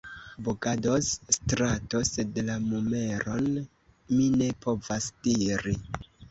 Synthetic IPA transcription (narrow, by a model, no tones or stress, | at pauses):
boɡado̞sstɾato̞se̞dlamume̞ɾo̞n | mine̞po̞vasd̥iɾi